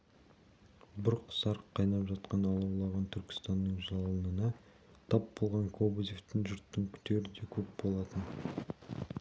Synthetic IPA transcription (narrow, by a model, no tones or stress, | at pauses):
bʊɾqʰə̥sɑɾqʰːɑjnɑpʒɑt̪qɑnɑlˠɑwlˠɑʁɑnt̪ʰʏɾkʲɪ̥st̪ɑnːəɴʒɑlˠənənɑ | t̪ʰɑpbo̞lˠʁɑŋkʰobozʲift̪ɪŋʒʏɾt̪ːɪŋkʲʰʏ̥t̪ʰe̞ɾɪd̪e̞kʲʰɵp̚bo̞lˠɑt̪ən